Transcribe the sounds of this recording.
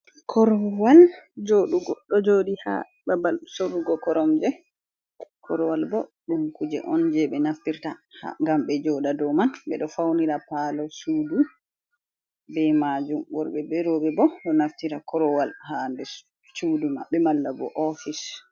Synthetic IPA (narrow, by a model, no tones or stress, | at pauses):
kʰɔɾɔwald͡ʒoɗuɡɔɗɔd͡ʒoɗiha̰ | babalsoɾːuɡɔkɔɾɔmd͡ʒɛ | kʰɔɾɔwalbɔɗumkud͡ʒɛ̰ʔɔnd͡ʒɛɓɛnaftiɾtaha̰ŋɡamɓɛd͡ʒɔɗadɔmanɓɛ̰ɗɔfawniɾapalɔsudu | bɛmad͡ʒumwɔɾɓɛbɛɾɔbɛbɔɗɔnaftiɾakɔɾɔwalhandɛ | sudumaɓɛmalːabɔ̰ʔɔfis